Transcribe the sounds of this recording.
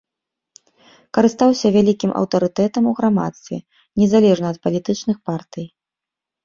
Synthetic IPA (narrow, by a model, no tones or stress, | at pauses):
kɐɾɨst̪awsʲɐvʲalʲikʲimʔɐ̰wt̪ɐɾɨt̪ɛt̪ɐmuɣɾama̰t̪st̪vʲɛ̰ | nʲɛzalʲɛʐnɐːt̪̚pɐlʲit̪ɨt͡ʂnɨxpart̪ɨj